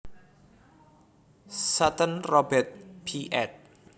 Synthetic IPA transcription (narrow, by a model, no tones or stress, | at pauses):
sat̪ənrɔbɛt̪̚pʰiʔɛt̪̚